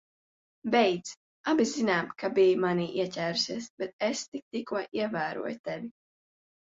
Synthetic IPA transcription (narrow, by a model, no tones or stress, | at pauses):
bɛjd̪z | abizinaːmkabijmaniʔiɛcʲæːɾusiɛsbɛt̪̚est̪ik̚t̪ikuɔʔiɛvæːɾṵɔjt̪ɛvʲi